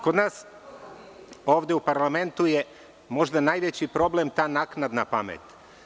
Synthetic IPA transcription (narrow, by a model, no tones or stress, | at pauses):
ko̞d̪naːs | o̞ːʋd̪eupaɾlame̞nt̪uje | mo̞ʒd̪anaːjʋet͡ɕipɾo̞blemt̪aːnaknad̪napamḛt̪